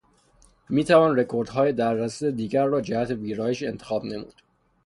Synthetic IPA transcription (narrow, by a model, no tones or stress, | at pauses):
miːt̪ʰævɒːnre̞kʰoɾd̪ɦɒːjed̪æɾːæsed̪iːɡæɾːɒːd͡ʒæhæt̪ʰe̞viːɾɒːjeʃe̞̰nt̪ʰexɒːbne̞mṵːd̪̥